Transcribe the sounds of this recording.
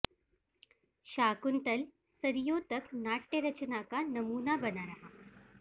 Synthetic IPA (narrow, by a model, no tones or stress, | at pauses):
ɕaːkunt̪əl | səɾjot̪əknaʈːeɾət͡ɕnakanəmuːnabənaɾaɦa